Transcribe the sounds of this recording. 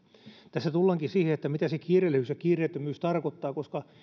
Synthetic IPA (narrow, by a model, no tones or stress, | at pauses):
t̪æsːæt̪ulːɑŋkisiːheet̪ːæmit̪æsekiːrelːehysjɑkiːreːt̪ːømyːst̪ɑrkot̪ːɑːkoskɑ